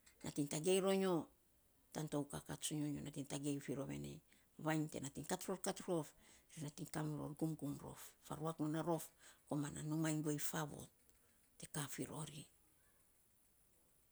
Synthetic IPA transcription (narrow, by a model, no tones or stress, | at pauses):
nʔa̰tintaɡe̞jɾo̞ɲo | tanto̞wkakatsuɲoɲonatintaɡe̞jfiɾoβe̞̰nḛ | βajnte̞̰natiŋkatɾofkatɾofɾinatiŋkamuɾo̞̰ɾɡumɡumɾo̞̰fːa̰ɾuakmonaɾo̞fkomana̰numajŋɡuejfaβo̰t | te̞kafiɾo̞ɾi